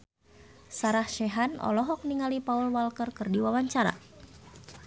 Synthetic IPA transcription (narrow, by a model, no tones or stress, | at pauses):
saɾahʃɛɦanʔɔ̰lɔɦɔk̚niŋalipaulwalkərkərdiwawaɲt͡ʃaɾa̰